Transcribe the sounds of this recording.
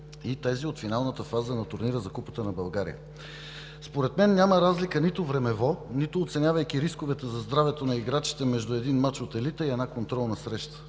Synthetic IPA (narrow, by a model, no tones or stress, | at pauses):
it̪aziot̪finalˠnət̪əfazənɐt̪ʊɾniɾəzɐkupə̥t̪ənɐbɐlˠɡaɾḭjə̰ | spoɾɛt̪mɛnːʲaməɾazlikənit̪ovɾɛmɛvɔnit̪oːt̪sɛnʲjavəjk̟iɾiskovɛt̪ɛzɐzd̪ɾavɛt̪onɐiɡɾat͡ʃi̥t̪ɛmɛʒd̪ʊɛd̪inmat͡ʃot̪ɛlit̪əiɛnakont̪ɾɔlˠnəsɾɛʃt̪ə̥